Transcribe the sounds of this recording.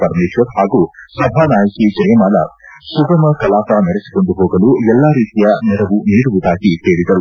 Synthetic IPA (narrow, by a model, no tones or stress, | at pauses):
pɐɾmeːʃʋɐɾhaːɡuːsɐbʱaːnaːjɐkid͡ʒɐjɐmaːlɐ̰suɡɐmɐkɐlaːpanɐɾesi̥ko̞ɳɖuɦo̞ːɡɐluɛlːaɾiːt̪ijɐnɛɾɐʋuniːɽuʋud̪aːɡit̪eːɭid̪ɐɾu